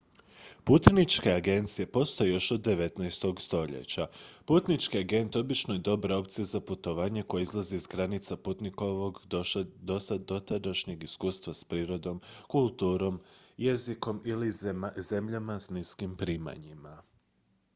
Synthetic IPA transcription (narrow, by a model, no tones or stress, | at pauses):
put̪nit͡ʃke̞aɡe̞nt̪sije̞po̞st̪o̞jejo̞ʃod̪ːe̞ʋe̞t̪najst̪o̞ɡst̪o̞ʎḛt͡ɕaput̪nit͡ʃkiaɡe̞nt̪o̞bit͡ʃnojed̪o̞baɾo̞pt̪siezaput̪o̞ʋaːɲe̞ko̞jeizlˠaziːzɡɾanit̪saput̪niko̞ʋoɡd̪osad̪o̞t̪ad̪aʃɲeɡiskuːst̪ʋaspɾiːɾo̞d̪o̞mkulˠt̪uːɾo̞mje̞ziko̞milize̞mʎamasniskimpɾiːma̰ɲima